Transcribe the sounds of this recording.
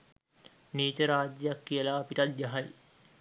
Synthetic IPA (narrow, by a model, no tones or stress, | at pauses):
niːt͡ʃəɾaːd͡ʒjəjakːijəlaːpiʈɐt̪̚jaɦaj